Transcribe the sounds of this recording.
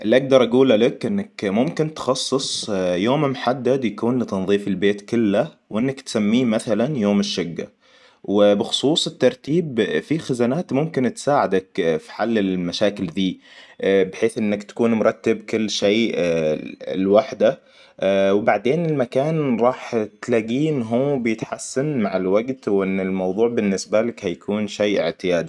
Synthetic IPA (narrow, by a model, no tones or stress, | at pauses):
ʔɪlːʔaɡ̚d̪ɑɾˤʔaɡuːlalakʔɪnːakmʊmkɪnt̪xɑsˤːɨsˤjoːmmħad̪ːad̪jakuːnt̪ɑnðˤiːfɪlbeːt̪kʊlːa | wʔɪnːakt̪samːiːmaθalanjoːmɪʃːʊɡːa̰ | wɪbɪxʊ̥sˤuːsˤɪt̪ːɑɾˤt̪iːbfixazanaːt̪mʊmkɪnt̪saːʕad̪akfi̥ħalːɪlmaʃaːkɪld̪iː | bɪħeːθʔɪnːakt̪ḁkuːnmʊɾˤɑt̪ːɪbkʊlːʃeː | ɪlwaħd̪a | wbaʕd̪eːnɪlmakaːnɾˤɑːħt̪laɡiːnɦuːbɪjɪt̪ħasːanmaʕɪlwaɡt̪wʔɪnːɪlmɑwðˤuːʕbɪnːɪsbalakhajakʰuːnʃeːʔɪʕt̪ɪjaːd̪i